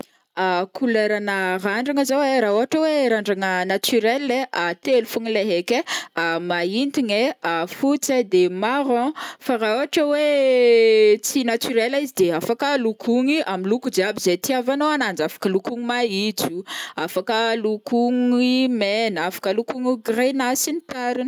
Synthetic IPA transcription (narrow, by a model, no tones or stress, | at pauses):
akuleɾanaraɳɖ͡ʐaŋəzaweɾaoɦaʈ͡ʂəweɾaɳɖ͡ʐaŋənat̪yɾelːeat̪elufuŋileɦekʲeamaint̪iɲeafut͡sed̪emaɾɔ̃faraoɦaʈ͡ʂəwe | t͡sinat̪yɾelaizid̪eafakəlukʰuŋiʔamilukud͡ʒeabizet̪iavanoanand͡ʒafḁkəlukuŋumait͡suafakəlukuŋimenafḁkəlukuŋuɡrenasinit̪aɾin